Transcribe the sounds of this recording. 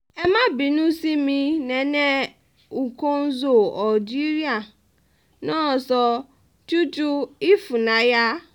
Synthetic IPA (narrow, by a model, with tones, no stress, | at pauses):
ɛ˨mã˦bi˨nũ˦si˦mĩ˦nɛ̃˨nɛ̃˦ | u˨kʰɔ̃˦n˦zo˦˨ɔ˨d͡ʒi˦ɾi˦a˨ | nɔ̃˦˨sɔ˨ | tu˦tu˦i˦fu˨nã˨ja˦